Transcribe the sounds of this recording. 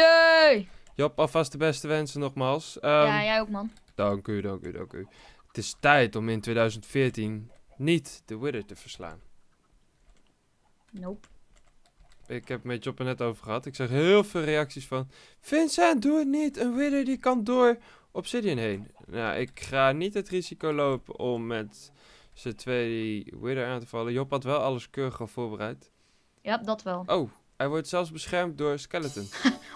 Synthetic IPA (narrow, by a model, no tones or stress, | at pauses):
e | jɔpɑfɑstdəbɛstəʋɛnsənɔχmaːlˠsjajokmɑn | d̥ɑŋkydɑŋky̰dɑ̰ŋky̰ | ətɪstɛjtɔmɪntwejdœɥzəntfɪːɹtinːitd̥əwɪdəɹtəv̥əɹsla̰ːn | nop | ɪkɦɛpmɛd͡ʒɔpənɛtowvəɹχəɦɑtɪksɛχɦɪːlˠvɪːlˠrejɑksisfɑn | fɪnsɛnduətnitənwɪdəɹdikɑndʊːɹ | ɔpsɪdiənɦejnna̰wʔɪ̰kχaːnitɦətrizikowlowpə̰ʔɔmːɛt | sətʋejdiwɪdəɹaːntəvɑləjɔpɦɑtʋɛlˠɑləskøːɾəχɑfʊːɹbərɛjt | jadɑtʋɛlˠʔow | ɦɛjʋɔɹtsɛlˠzbəsχɛɹmt̚dʊːɹskɛlətən